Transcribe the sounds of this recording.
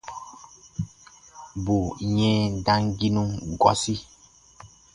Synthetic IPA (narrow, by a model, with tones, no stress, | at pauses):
bu˨ɲɛ̃˦dã˦ŋɡi˦nũ˦ŋɡɔ̰˨si˦